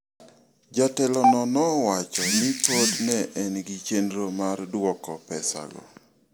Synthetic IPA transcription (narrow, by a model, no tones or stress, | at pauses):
d͡ʒatɛlɔnɔnɔwat͡ʃɔnɪpodnɛʔɛnɡit͡ʃendɾomardwɔkɔpɛsa̰ɡɔ̰